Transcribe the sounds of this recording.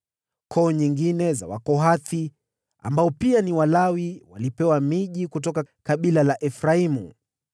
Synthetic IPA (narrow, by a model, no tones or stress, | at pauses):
kʰɔːɲiŋɡinɛza̰wakɔɦaθi | a̰mbaɔpianiwalawiwa̰lipɛwamiʄikutɔkakaɓilalaʔɛfɾaimṵ